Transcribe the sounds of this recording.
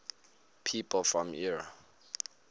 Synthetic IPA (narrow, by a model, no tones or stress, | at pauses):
pʰipʰl̩fɹɔ̃miɹa